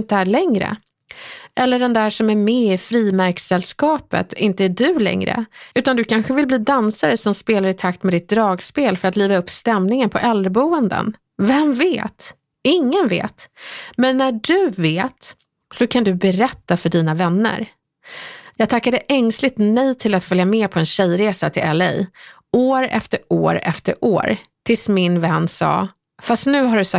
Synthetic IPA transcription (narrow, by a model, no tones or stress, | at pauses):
nt̪əæɭɛŋɾə̰ | ʔɛlːəɖɛnd̪æːʂɔmæɾmɛɪfɾiːmæɾksɛlskɑːpə̰t̪ʰɪnt̪əæɖɵlɛ̰ŋɾə̰ʉ̟ːt̪and̪ɵkʰanɧəvɪlbliːd̪ansaɾəsɔmspeːlaɾɪt̪ʰakt̪mɛd̪ɪt̪̚d̪ɾɑːɡspeːlfœɾat̪liːvaɵpːst̪ɛmnɪŋənpʰɔʔɛlɾəbuːənd̪ə̰n | vɛmveːt̪ | ɪŋːənvḛːt̪mɛnːæɖɵveːt̪ | sɔkʰand̪ɵbɛɾɛt̪ːafœɖiːnavɛnːə̰ɾ | jɑːɡ̚t̪ʰakːad̪əʔɛŋslɪt̪nɛjt̪ʰɪlat̪fœljamɛːpʰɔɛnɕɛjɾeːsat̪ʰɪlɛlːɛ̰j | oːɾɛ̰ft̪əɾo̰ːɾɛ̰ft̪əɾʔo̰ːɾt̪ʰɪlsmɪnvɛnːsɑ̰ː | fast̪nʉ̟ːɦaɖɵsa